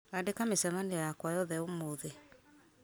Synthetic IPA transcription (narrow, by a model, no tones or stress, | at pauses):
adekamesɛmanejakwajɔðɛomoðe